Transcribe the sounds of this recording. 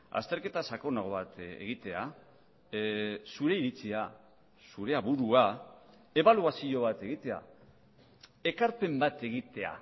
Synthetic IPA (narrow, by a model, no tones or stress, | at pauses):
a̰st̪e̞ɾke̞t̪asako̞naɣo̞βat̪ḛɣ̞it̪ea | suɾe̞iɾit͡sia | suɾe̞aβuɾua | e̞βaluasio̞β̞at̪e̞ɣit̪e̞a̰ | e̞kaɾpe̞mbat̪e̞ɣ̞it̪e̞a̰